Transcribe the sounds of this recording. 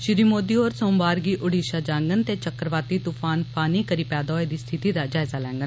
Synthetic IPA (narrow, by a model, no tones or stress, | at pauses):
ʃɪɾiːmoːd̪iːɔːɾsõːmbaːɾɡiːʔʊɽiːʃaːd͡ʒaːŋɡənt̪eːt͡ʃəkːəɾʋaːt̪iːt̪uːpʰaːnpʰaːniːkəɾiːpɛːd̪ɔːeːd̪iːst̪ʰɪt̪iːd̪aːd͡ʒaːɪzaːlɛ̰̃ːŋɡən